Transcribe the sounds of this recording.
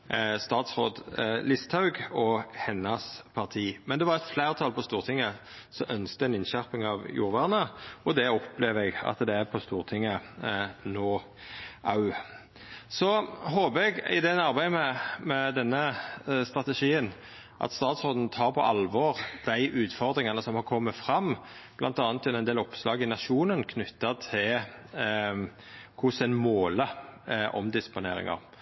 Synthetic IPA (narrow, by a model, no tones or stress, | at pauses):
st̪ɑːt̪sʁoːd̪lɪst̪ʰhɑʉɡɔhɛnːɑspʰɑʁt̪ʰiːmɛnd̪ɛʋɑʁɛt̪flæːʁt̪ʰɑlpʰɔst̪uːʁt̪ʰɪŋːə | sɔʔœnsk̚t̪əɛnɪnʃæʁpɪŋɑʋjṵːʁʋæʁnəɔd̪ɛɔpleːʋɛɡɑ̰t̪d̪ɛæpʰɔst̪uːʁt̪ʰɪŋːə | noː | ʔɑʉ | sɔhoːbəɛɡɪ̰d̪ɛnɑɾbæɪmɛmɛd̪ɛnːəst̪ʁɑt̪əʂiːən | ʔɑ̰t̪st̪ɑːt̪soːd̪n̩t̪ʰɑːɾpʰɔʔɑlʋɔːʁd̪̥æɪʔʉːt̪fɔʁd̪ʁɪŋɑnəsɔmhɑʁkʰɔmːəfɾɑmː | b̥lʔɑ̰nt̪ɑːnt̪ʰːɛnɛɪnd̪eːlɔpslɑːɡɪnɑʃuːnənkʰnʏt̪ːɑt̪ʰɪ | kʰʊsɛnmoːləʔɔ̰md̪ɪspʊnḛːɾɪ̰ŋɑ̰ʁ